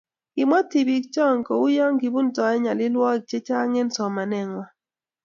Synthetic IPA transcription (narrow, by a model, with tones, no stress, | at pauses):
ɪ˨mɔ˦ti˨bi˨˦kt͡ʃɔ˦˨ŋ˨ko˨ʊ˦jɔ˦ŋɡi˨bu˦n˦tɔ˨ɛ˦ɲa˨lɪ˦lwɔ˦˨k̚t͡ʃe˦t͡ʃa˦ŋe˦nsɔ˨ma˨nɛ˦˨ŋwa˦